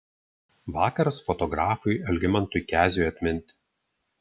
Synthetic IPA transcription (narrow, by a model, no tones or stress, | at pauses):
ʋɑːkɐɾɐsfɔt̪ɔɡɾɑːfʊjɐlʲɡʲɪmɐnt̪ʊɪkʲæːzʲʊjɐt̪ʲmʲɪnʲt̪ʲɪ̥